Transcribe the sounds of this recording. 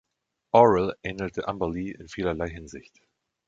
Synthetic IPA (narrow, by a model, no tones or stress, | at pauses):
ʔɔʁɪlɛnəl̩tʰəʔambaliːʔɪ̰nfiːlɐlaɪɦɪnzɪçt